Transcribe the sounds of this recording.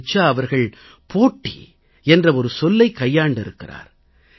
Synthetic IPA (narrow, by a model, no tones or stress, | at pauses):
t͡ʃːaɐʋɐɾɣɐɭ | poːʈːḭ | ɛndrɐɔɾɯsɔlːɐɪkːɐjːaːɳɖɪɾɯkːɪra̰ːɾ